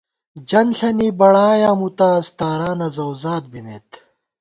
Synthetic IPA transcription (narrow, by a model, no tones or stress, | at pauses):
d͡ʑɐnɬɐnibɐɽaːjaːmut̪aːst̪aːɾaːnɐzɐwzaːt̪̚bimḛːt̪